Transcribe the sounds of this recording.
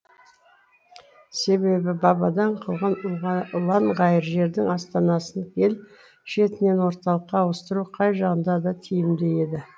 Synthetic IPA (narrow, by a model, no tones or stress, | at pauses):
se̞βe̞bɪbɑbɑd̪ɑɴqʰəlˠʁənʊlˠɑɴʁɑjəɾʒe̞ɾd̪ɪŋɑst̪ɑnɑsənkʲʰe̞l | ʃe̞t̪ɪne̞nwo̞ɾt̪ɑlˠəqːɑwəst̪əɾuqʰɑjʒɑʁənd̪ɑd̪ɑt̪ʰijɪmd̪e̞je̞d̪ɪ